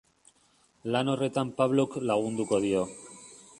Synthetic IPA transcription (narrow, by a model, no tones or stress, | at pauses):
lanoret̪ampaβloklaɣund̪ukoðio